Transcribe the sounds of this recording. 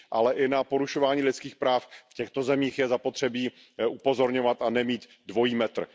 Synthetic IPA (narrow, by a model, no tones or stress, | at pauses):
ʔa̰lɛʔɪnapo̞ɾuʃo̞vaːɲiːlɪtt͡skiːxpɾaːffcɛxt̪o̞zɛmiːxjɛzapo̞t̪r̝̥ɛbiː | upo̞zo̞ɾɲo̞vat̪anɛmiːt̪ | dvo̞jiːmɛt̪r̩